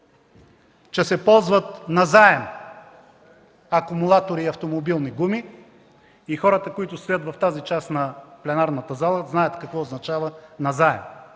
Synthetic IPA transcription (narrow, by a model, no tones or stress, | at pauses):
t͡ʃɛsɛpɔlˠzvət̪nɐzaɛm | ɐkʊmulˠat̪oɾiːɐft̪omobilˠniɡumi | ixɔɾət̪əkoit̪ʊst̪ʊjət̪vɐft̪azit͡ʃasnɐplɛnaɾnət̪əzalˠəznajət̪kɐkvɔːznɐt͡ʃavənɐzaɛm